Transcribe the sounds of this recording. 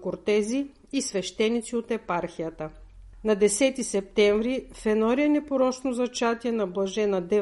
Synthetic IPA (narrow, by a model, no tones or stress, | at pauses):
koɾt̪ɛziː | svɛʃt̪ɛnːit̪siot̪ɛpaɾxijət̪ə | nɐd̪ɛsɛt̪isɛp̚t̪ɛɱvɾifɛnɔɾiɛnɛpoɾɔt͡ʃnozɐt͡ʃat̪iɛnɐblˠɐʒɛnɐd̪ɛ